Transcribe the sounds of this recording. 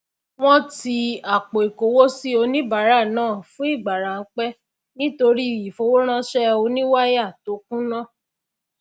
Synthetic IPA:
w̃ɔ̃˦ti˧a˨k͡po˨i˨ko˨wo˦si˦o˧nĩ˦ba˨˦ɾa˦˨nãː˦˨fũ˦i˦˨ɡ͡ba˨ɾã˨˦k͡pɛ˦ | nĩ˦to˧ɾi˦i˨fo˨˧wo˦ɾ̃ã˦ʃɛ˦o˧nĩ˦wa˦ja˦˨to˨˦k̚ũ˦nã˦˨

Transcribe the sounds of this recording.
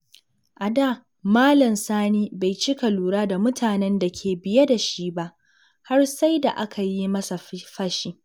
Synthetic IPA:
ʔa˨daː˦˨ | maː˦lɐ˨msaː˦niː˦ba˨jt͡ʃɪ˦ka˨luː˨ɽaː˦da˨mʊ˦tʰaː˨nɛ˦nda˨kʲʰeː˨bɪ˨ja˦da˨ʃi˦ba˦ʔ | ha˦rsa˦jda˨ʔa˦kʰa˨ji˦mɐ˦sa˨ɸɐ˦ʃiː˦

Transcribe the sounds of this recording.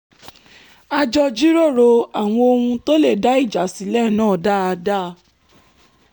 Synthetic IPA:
a˧d͡ʒɔ˧d͡ʒi˦ɾo˦˨ɾo˧a˨w̃ɔ̃˧o˧hũ˧to˦le˦˨da˨˦i˦˨d͡ʒa˨˦si˨˦lɛ˦˨nãː˦˨da˦˨a˧da˦˨˧

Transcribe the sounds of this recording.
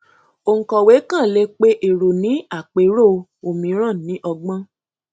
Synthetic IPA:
o˧ŋ̩˨kɔ˨we˨˦kã˦˨le˧˦k͡pe˦ʔe˨ɾo˨nĩ˨˦a˦˨k͡pe˨˦ɾo˦˨˧o˨mĩ˨˦ɾ̃ã˦˨nĩ˨˦ʔɔ˧ɡ͡bã˦

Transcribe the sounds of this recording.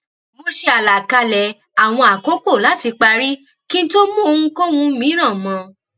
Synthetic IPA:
mo˧ʃe˧a˨la˨ka˧lɛ˨ | a˨w̃ɔ̃˧a˨ko˦k͡po˦˨la˨˦ti˧k͡pa˧ɾi˦ | ki˦n̩˦to˦mũ˦o˧ŋũ˦ko˦wũ˧˦mĩ˨˦ɾ̃ã˦˨mɔ̃˧

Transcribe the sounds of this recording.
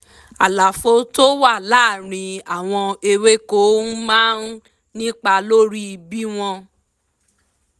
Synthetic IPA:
a˨la˨fo˨˦to˦wa˦˨laː˦˨ɾ̃ĩ˧a˨w̃ɔ̃˧e˧we˦ko˦mãː˦n˦ | nĩ˦k͡pa˧lo˦ɾi˦˧bi˦w̃ɔ̃˧

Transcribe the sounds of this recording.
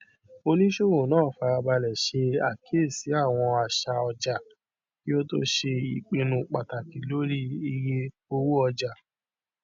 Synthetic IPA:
o˧nĩ˦ʃo˦wo˨nãː˦˨fa˧ba˧lɛ˨ʃe˧a˨kʰe˦˨si˨˦a˦˨w̃ɔ̃˧a˨ʃa˧ɔ˧d͡ʒa˨ | ki˦o˦to̰˦ʃe˧i˨k͡pe˧nũ˧k͡pa˨ta˨ki˨˦lo˦ɾi˦i˧je˧ | o˧wu˦ɔ˧d͡ʒa˨

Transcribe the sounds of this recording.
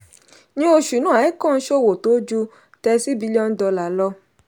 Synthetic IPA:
nĩ˧˦o˧ʃu˨nũ˦a˨i˦kɔ̃˦˨n̩˦ʃo˦˨wo˨to˨˦d͡ʒu˧˦ | tɛ˧si˦bi˨˦li˦ɔ˧n̩˦dɔ˧la˨lɔ˧

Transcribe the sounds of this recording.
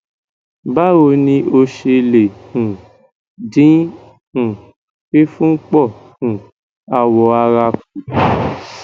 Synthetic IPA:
ba˦o˧nĩ˧ʔo˧ʃe˧le˨hũ˨ | dĩ˨˦ | hũ˨ | ke˦fũ˦k͡pɔ˦˨hũ˨ | a˧wɔ˧˦a˧ɾa˧k̚u˨

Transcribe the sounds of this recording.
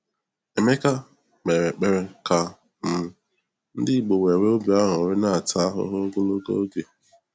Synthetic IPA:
e˨me˦ka˦ | k͡pe˨ɾe˨k͡pe˦ɾe˦ka˨ | m̩˨ | n̩˦dɪ˦˨ɡ͡bo˨we˨ɾe˦o˦bja˦ɦʊ˨ɾɪ˦na˦a˨ta˦a˦ɦʊ̰˦ɦʊ˦ɡo˦lo˦ɡo̰˦ɡe˨

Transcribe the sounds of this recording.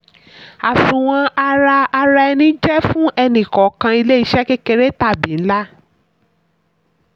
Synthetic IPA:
a˨sũ˨w̃ɔ̃˧a˧ɾa˧a˧ɾa˧ɛ˧nĩ˦d͡ʒɛ˦fũ˦ʔɛ˧nĩ˨kɔ˨˦kã˧i˧le˦i˧˦ʃɛ˦ke˦ke˧ɾe˦ta˦˨bĩ˨n̩˦la˦

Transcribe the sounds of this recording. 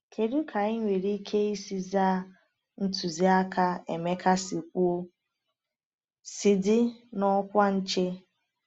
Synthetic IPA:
kʰe˨ɾu˦kʰa˨ɪ˦ɲʷe˨ɾi˦kʰe˦i˦si˦za˦˨˦ | n̩˦tu˨zi˦a˦kʰa˦e˨me˦kʰa˦si˨kʷu˦o˦ | sɪ˨dɪ˦nɔ˦kʷa˦n̩˦t͡ʃe˦

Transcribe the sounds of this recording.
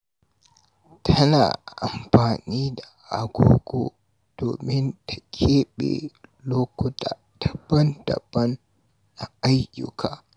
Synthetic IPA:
tʰɐ˦na̰ː˨ʔa̰˨mɸaː˨niː˦da˨ʔa˨ɡʷoː˦ɡo˦ | d̥oː˨mɪ˦ntḁ˨kʲʰeː˦ɓḛ˨loː˦kʷʊ˦tʰaː˨ | ta˨bɐ˦ndɐ̰˨bːɐ˦n | ʔa˨ʔa˦jjʊ̰˦˨kʰaː˨

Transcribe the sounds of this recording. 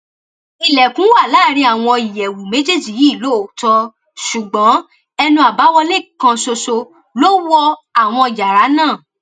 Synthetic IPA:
i˧lɛ˨kũ˨˦wa˦˨laː˦˨ɾ̃ĩ˧a˦˨w̃ɔ̃˧i˨jɛ˨wu˨mẽ˦d͡ʒe˦˨d͡ʒi˨ji˨˦˨lo˨˦o˨tɔ˧ | ʃu˨ɡ͡bɔ̃˨˦ | ɛ˧nũ˧a˨ba˨˦wɔ˧le˦˨kã˧so˧so˧ | lo˦wɔ˧a˨w̃ɔ̃˧i˧˨d͡ʒa˨ɾa˨˦nãː˦˨

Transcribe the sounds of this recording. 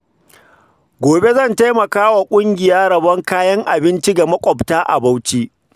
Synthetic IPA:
ɡʷoː˨be˦zɐ˦˨nta˦jmɐ˨kaː˦wa˨kʷʼʊ˦ŋɡʲɪ˨jaː˦ɽɐ˨bɐ˦ŋkaː˦jɐ˦ŋʔa˨bɪ˦nt͡ʃi˦ɡa˨mɐ˦kʷʼɔ˨ptaː˦ʔa̰˨ba˦wt͡ʃiː˦ʔ

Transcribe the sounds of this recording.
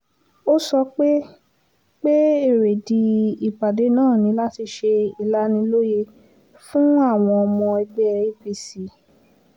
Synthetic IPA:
o˦sɔ˧k͡pe˦ | k͡pe˦e˦˨ɾe˨di˧i˨k͡pa˨de˨˦nãː˦˨nĩ˨˧˦la˦ti˧ʃe˧i˨la˦nĩ˧lo˦je˧ | fũ˦a˦˨w̃ɔ̃˧ɔ˧mɔ̃˧ɛ˧bɛ˦e˦bi˧si˨˦

